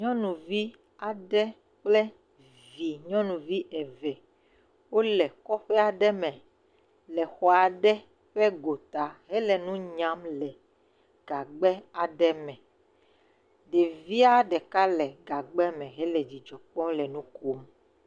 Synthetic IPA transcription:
ɲɔ̃˦nũ˨vi˦ | a˨ɖɛ˦ | k͡plɛ˦ | vi˨ɲɔ̃˦nũ˨vi˦ʔɛ˨vɛ˨ | wo˦lɛ˨kɔ˦ɸɛ˦a˨ɖɛ˦mɛ̃˨ | lɛ˨xɔ˨a˨ɖɛ˦ | ɸɛ˦ɡo˨t̪a˨ɦɛ˦lɛ˨nũ˦ɲã˦mlɛ˨ | ɡ̥a˨ɡ͡bɛ˦a˨ɖɛ˦mɛ̃˨ | ɖe˨vi˦a˦ɖɛ˨ka˦lɛ˨ɡa˨ɡ͡bɛ˦mɛ̃˨ɦɛ˦lɛ˨d͡ʑi˨d͡ʒɔ˨k͡pɔ̃˦lɛ˨nũ˦ko˦m

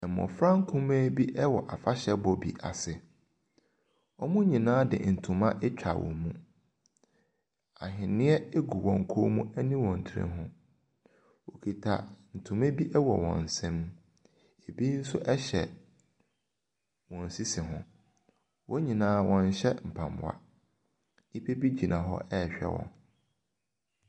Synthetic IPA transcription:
ɛ˨mɔ̰̃˨fɾã˦ŋ̩˦kʰũ˦mɛ̃˦bi˦ʔɛ˦wɔ˨ʔa˨fa˦ɕɛ˦bɔ˨bḭ˨ʔa̰˨sɪ˨ | ɔ˦mũ˦ɲĩ˨nãː˦dɪ̰˨n̩˨tʰũ˨mã˦ʔɛ˦t͡ɕᶣa̰˨wɔ̰̃˨mũ˦ | a˨ɦɪ̃˨nɪ̃˦ɛ˦e˦ɡu˨wɔ̃˨ŋ̩˨kʰo˦mũ˦ɛ˦nĩ˦wɔ̃˨n̩˨tʰɪ˨ɾɪ̰̃˦ɦʊ̃˦ | wo˨kʰi˨tʰa̰˨n̩˨tʰũ˨mẽ˦bi˦ʔɛ˦wɔ˨wɔ̰̃˨n̩˨sɛ̃˦m˦ | e˨bi˦n̩˦sʊ˦ʔɛ˦ɕɛ˨ | wɔ̃˨n̩˨si˦sɪ˨ɦʊ̃˦ | wɔ̃˦ɲĩ˨nãː˨˦wʔɔ̃˨n˨ɕɛ˦m̩˨pʰã˨mʊ̰˨a̰˦ | i˦pʰe˦bi˦d͡ʑi˨nʔã˨ɦɔ̰˦ʔɛː˦˨ɕᶣɛ̰˦wɔ̰̃˨n

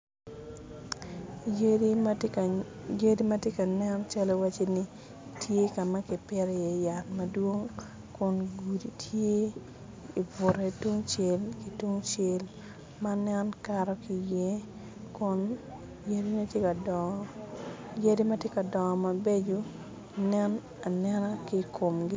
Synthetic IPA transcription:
je˦di˦mɐ˦tje˦ka˨nɛ˦nt͡ʃa˦lɔ˦wa˦t͡ʃe˦ni˦ | tʰje˦ka˨ma˦kɪ˨pɪ˦ɾe˨je˨ja˨nmɐ˨dwo˦ŋ | kʊ˨nɡu˨di˨tʰje˦ | i˨vʊ˨ɾe˨tu˦ŋt͡ʃe˨lki˨tu˦ŋt͡ʃe˨l | ma˦nɛ˦nkaɾɔ˦ki˨je˦ | kʊ˦n | je˦di˦ni˦tje˦ka˨dɔ˨ | je˦di˦mɐ˦tje˦kɐ˨dɔ˨ma˨be˦d͡ʒo˦ | nɛ˦n | a˨nɛ˦nɔ˦kikʰo˨mɡɪ˦

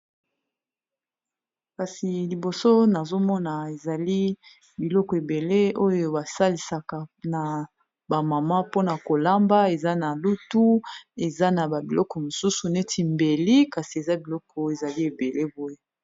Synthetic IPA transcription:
ka˨si˨li˨bo˨so˦na˨zo˦mɔ˦na˨e˨za˨li˦ | bi˨lɔ˦kɔ˨e˨be˨le˦o˦jo˦ba˨sa˦li˨sa˨ka˨na˨ | ba˨ma˨ma˦po˦na˨ko˨la˦mba˦e˨za˦na˨lu˦tu˦e˨za˦na˨ba˨bi˨lɔ˦kɔ˨mo˨su˦su˨ne˦tʰi˨mbe˨li˦ka˨si˨e˨za˦bi˨lɔ˦kɔ˨e˨za˨li˦e˨be˨le˦bo˦je˦

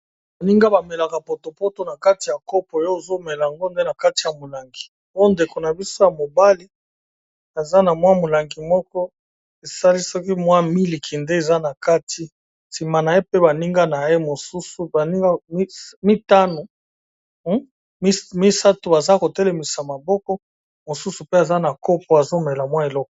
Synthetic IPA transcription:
ba˨ni˦ŋɡa˦ba˨me˨la˨ka˨po˨to˨po˦to˨na˨ka˦ti˨ja˨ko˦po˨˦o˦o˨zo˦me˨la˨a˨ŋɡo˦nde˦na˨ka˦ti˨ja˨mo˨la˨ŋɡi˨ | o˦nde˨ko˨na˨bi˦so˦ja˨mo˨ba˦li˦ | a˨za˦na˨mwa˦mo˨la˨ŋɡi˨mɔ˦kɔ˦ | e˨sa˦li˦sɔ˦ki˦mwa˦mi˦li˨kʰi˨nde˦e˨za˦na˨ka˦tʰi˦ | si˨ma˨na˨e˦pe˦ba˨ni˦ŋɡa˦na˨e˦mo˨su˦su˨ba˨ni˦ŋɡa˦mi˦ta˦no˨˦ | mi˦sa˦tu˨ba˨za˦ko˨te˦le˨mi˨sa˨ma˨bɔ˦kɔ˦ | mo˨su˦su˨pe˦a˨za˦na˨ko˦pɔ˨˦a˨zo˦mɛ˨la˨mwa˦e˨lɔ˦k̚ɔ˨

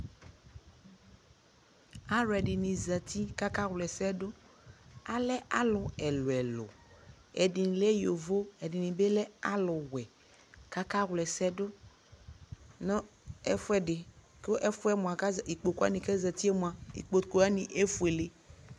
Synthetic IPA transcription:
a˦ɾɛ˨ɖi˨nĩ˨zə˨t̪ʰi˦ka˦ka˦ɣlɛ˨sɛ˦ɖo˦ | a˦lɛ˦ʔa˦lʊ˨ɛ˨lo˨ɛ˨lo̰˨ | ɛ̰˨di˨ni˨le˦jo˨vo˦ɛ˨ɖi˨nĩ˨be˦lɛ˦a˦lʊ˨wɛ˨ | ka˦ka˦ɣlɛ˨sɛ˦ɖo˦ | nɔ̃˦e˦fɛ˦ɖɪ˨ | ko˦ʔɛ˦fu˦ɛ˦mɔ̃˨a˨ka˦zi˨k͡po˨ko˦a̰˦nĩ˨kɛ˦zə˨t̪i˦ɛ˦mõ˨a˨ḭ˨k͡po˨ko˨a˦nĩ˨ʔe˦fu˦e˨le˦

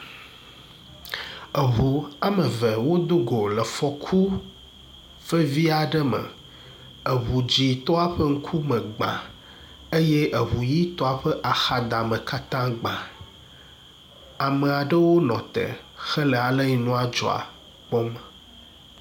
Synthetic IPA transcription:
ə˨ɦu˨a˦mə̃˨və˨wo˦d̪o˦ɡo˨lə˨fɔ˨kʰu˦ | fə˦vi˦a˨ɖə˦mə̰˨ | e˨βu˨d͡ʑi˨t̪ɔ˦a˦ɸə˦ŋ̩˦kʰu˦mə̃˨ɡ͡bã̰˨ | e˦jɛ˦ʔe˨βu˨ji˦t̪ɔ˦a˨ɸə˦ʔa˨xa˨d̪a˨mə̃˨ka˦t̪ã˦ɡ͡bã˨ | a˨mə˨a˨ɖə˦wo˦nɔ̃˨t̪ɛ̰˨xɛ˦lɛ˨a˨lə˦ɲi˨nũ˦a˨d͡ʒɔ̰˨a̰˨ | k͡pɔ˦mə˨

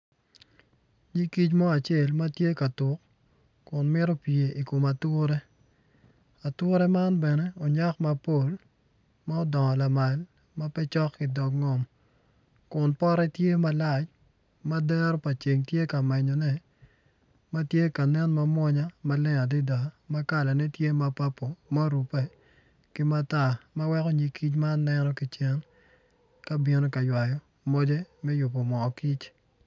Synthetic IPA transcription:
ɲi˦ki˦t͡ʃmɔ˦a˨t͡ʃe˦˨lma˦tje˦ka˨tʊ˨k | kʊ˨nmɪ˦ɾo˦pje˨i˨ko˨ma˨tʊ˦ɾe˦ | a˨tʊ˦ɾɛ˦ma˦nbɛ˨nɛ˦ɔ˨ɲa˦kma˨po˦l | ma˦ɔ˦dɔ˨ŋɔ˨la˨ma˨l | ma˦pɛ˦t͡ʃɔ˦kːi˨dɔ˨kŋɔ˨m | kʊ˨npɔ˦ɾɛ˦tje˦ma˦la˦˨t͡ʃ | ma˦dɛ˦ɾɔ˦pa˨t͡ʃe˨ŋtje˦ka˨mɛ˨ɲɔ˨nɛ˦ | ma˦tje˦ka˨nɛ˦nma˦mwɔ˦ɲa˦ma˦lɛ˦ŋa˨di˦da˨ma˦ka˦˨la˨nɛ˦tje˦ma˦pa˦pːo˨ma˦ɾu˨pɛ˦ | ki˦ma˦ta˨ma˦wɛ˦ko˦˨ɲi˨kʰi˦t͡ʃma˦nnɛ˦nɔ˦ki˨t͡ʃɛ˦n | ka˦bi˨no˦ka˨jwa˨jɔ˨ | mo˦de˦mɛ˦jʊ˨po˨mɔ˨ki˦t͡ʃ

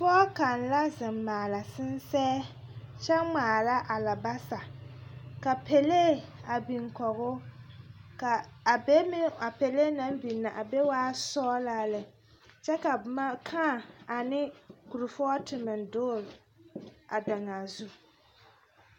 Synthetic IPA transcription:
fɔː˦ka˨n˨la˦zɪ˨mːaː˨la˨sɪ˦n˦sɛː˦t͡ʃɛ˦ŋ͡maː˨la˦ʔa˨la˨ba˦sa˨ | ka˨pʰe˨le˦a˨bi˨ŋkɔ˨ɣʊ˦ | ka˨be˦m˦a˨pe˨le˦na˦m˦bi˨nːa˨ʔa˨be˦waː˦sɔː˦la˦lɨ˨ | t͡ʃɛ˦ka˨ma˦kʰa˦˨a˨nɪ˦ku˨ɾʊ˨fɔ˦tɪ˨mɪ˨ndoː˦˨ɾ | a˨da˨ŋa˨zu˦

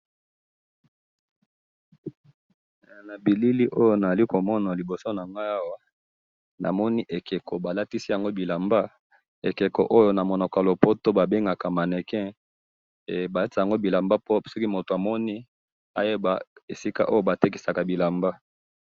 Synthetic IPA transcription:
na˨bi˨li˦li˦ʔo˦jo˦na˨za˨li˦ko˨mɔ˦na˨li˨bo˨so˦na˨ŋɡa˦a˦wa˦ | na̰˨mɔ˦ni˦ʔe˨ke˨ko˨ba˨la˦ti˦si˦ja˨ŋɡo˦bi˨la˨mba˦ | e˨ke˨ko̰˨ʔo˦jo˦na˨mo˨nɔ˨ka˨lo˨po˦to˦ba˨be˦ŋɡa˨ka˨ma˨nɛ˨kɛ̃˦˨ | ba˨la˦tja˨ŋɡo˦bi˨la˨mba˦po˦pso˦ki˦mo˨to˨a˨mɔ˦ni˦ | a˦je˦ba˨e˨si˦ka̰˦ʔo˦jo˦ba˨te˦ki˨sa˨ka˨bi˨la˨mba˦

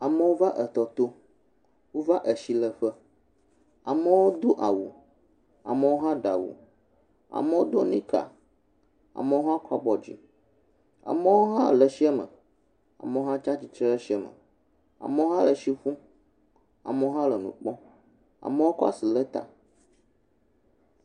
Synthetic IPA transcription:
a˨mə˦wo˦va˦ʔə˨t̪ɔ˨t̪o˦ | wo˦va˦ʔə˨ʃi˨lə˨ɸə˦ | a̰˨mə˦wo˦d̪o˦ʔa˨wu˨ | a̰˨mə˨˦wo˦ɦã˦ɖa˨wṵ˨ | a̰˨mə˦wo˦d̪o˦nĩ˦ka̰˨ | a̰˨mə˨wo˦ɦã˦kɔ˦bɔ˨d͡ʑḭ˨ | a̰˨mə˦wo˦ɦã˦lə˨ʃi˦ɛ˦mə̰˨ | a̰˨mə˨˦wo˦ɦã˦t͡ʃa˦t͡ɕi˨t͡ʃɾɛ˦ʃi˦ɛ˨mə̰̃˨ | a̰˨mə˦wo˦ɦã˦lə˨ʃi˦ɸũ˦ | a̰˨mə˦wo˦ɦã˦lə˨nṵ̃˨k͡pɔ̃˦ | a̰˨mə˦wo˦ka̰˦si˨lə˦t̪a̰˨

